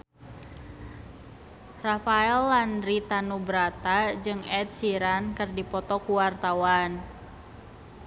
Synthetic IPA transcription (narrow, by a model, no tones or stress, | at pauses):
rafaɛlːandɾit̪anubɾat̪ad͡ʒɨŋɛt̪̚siɾankɨrdipɔt̪ɔkuwart̪awan